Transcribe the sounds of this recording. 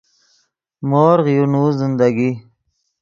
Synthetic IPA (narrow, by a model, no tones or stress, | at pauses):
moːɾʁjunuzɪnd̪aɡi